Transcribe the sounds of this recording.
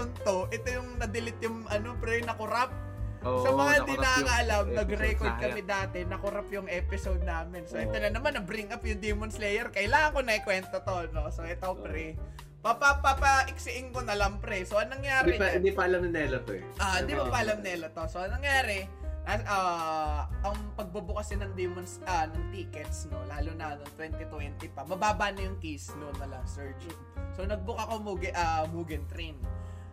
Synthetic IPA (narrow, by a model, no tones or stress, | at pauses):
pʊnt̪o̞ʔɛt̪ojʊŋnɐd̪ɪlɪt̪jʊŋʔɐno̞pɾɛnɐkʊɾap̚ | sɐmɐŋad̪iaɐŋɐʔɐlamnɐɡɾɛkwɛt̪̚kɐmɛd̪aːt̪ɛnɐkʊɾapjʊŋʔɛːpɪsowd̪̚naːmɪnsoʔɪt̪onɐnɐmanːɐbɾiŋɐpjʊŋd̪ɛmonslɛjɛɾkɐʔɪlaːŋɐŋko̞nɐɪkwɛnt̪ot̪o̞no̞soʔɛt̪opɾɛ | pɐpapɐpɐʔɪksɪʔɪŋkonɐlɐmpɾɛsoʔɐŋnɐŋjaːɾɛnd̪ipɐɐlamɐnɛlɐt̪oɛʔaʔɪ̃nd̪ɪmopɐʔɐlɐmnɛlɐt̪o̞soʔɐŋnɐŋjaːɾɛ | aʔa | ʔɐŋpɐɡ̚bubʊkɐsɐnɐŋd̪imɐnsɐnɐŋt̪iːkɛt̪sno̞laːlʊnɐnont̪wɛnt̪ɪt̪wɛnt̪ɪpɐmɐbaːbɐnɐjʊŋkisnonɐlɐŋsɛɹd͡ʒɪŋsonɐɡ̚bʊkɐko̞muɡɛʔɐmuːɡɛnt̪ɾin